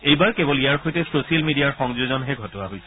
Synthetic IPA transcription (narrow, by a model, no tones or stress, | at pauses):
ejbaɹkebɔlijaɹxojtɛsosialmidijaɹxɔŋzozɔnɦɛɡʱɔtɔa̰ɦojsɛ̥